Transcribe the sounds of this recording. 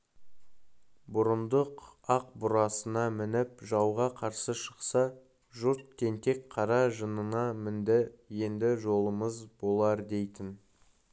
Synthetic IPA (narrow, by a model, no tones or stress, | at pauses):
bʊɾənd̪əqɑq̚bʊɾɑsənɑmɪnɪpʒɑwʁɑqʰɑɾsəʃəqsɑ | ʒʊɾt̪̚kʲʰe̞nt̪e̞kqʰɑɾɑʒənənɑmɪnd̪ɪje̞nd̪ɪʒo̞lˠəməzbo̞lˠɑɾd̪e̞jt̪ɪn